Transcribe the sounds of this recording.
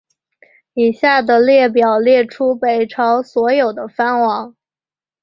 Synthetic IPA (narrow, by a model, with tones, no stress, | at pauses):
i˨˩ɕja˥˩d̪ə˩ljɛ˥˩p̬jɑ˨˩ʊljɛ˥˩ʈ͡ʂʰu˥pe˨˩ɪʈ͡ʂʰɑ˧˥ʊswɔ˧˥jo˨˩ʊd̪ə˦fa˥nwɑ˧˥ŋ